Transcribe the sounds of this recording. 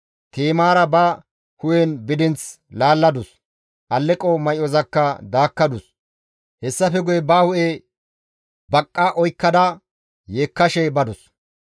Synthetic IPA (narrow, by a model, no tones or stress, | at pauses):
t̪eːmaːɾɐbɐ | hʊjɛnbɪd̪ɪnt͡s | laːlːɐd̪ʊs | ʔɐlːɛkʼɔmɐjɔzɐkːɐd̪aːkːɐd̪ʊs | hɛsːɐfɛɡʊjɛbɐhʊʔe | bɐkʼːɐʔɔjkːɐd̪ɐ | jeːkːɐʃɛbɐd̪ʊs